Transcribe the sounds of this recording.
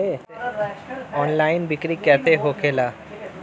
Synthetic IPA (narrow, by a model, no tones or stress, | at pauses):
e | ɔːnlaɪnbɪkɾikɛt̪eɦokʰela